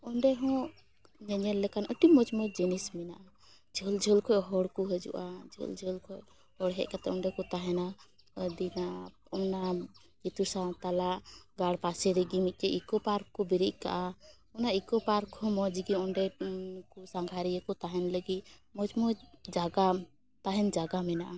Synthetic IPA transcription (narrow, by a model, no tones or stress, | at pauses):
ɔɳɖɛɦɔ̃ | d͡ʒɛd͡ʒɛnlɛkanəʈimɔd͡ʒmɔd͡ʒinisminaʔa | d͡ʒʱəld͡ʒʱəlkʰɔʔɦɔɽkuɦɛd͡ʒṵʔa̰d͡ʒʱə̰ld͡ʒʱəlkʰɔj | hɔɽɦɛ̰ʔkat̪ɛɔɳɖɛkɔt̪aɦɛna | d̪ina | ɔna | d͡ʒit̪usat̪alaʔbaɽpasɛɾiɡimit̪̚kɛʔikɔpaɾkɔbiɾiʔka̰ʔa | ɔnaikɔpaɾkʰɔmɔd͡ʒɡiɔɳɖɛkusaŋɡʱaɾiɛkɔt̪aɦɛnləɡimɔd͡ʒmɔd͡ʒaɡa | t̪aɦɛnd͡ʒaɡamɛnaʔa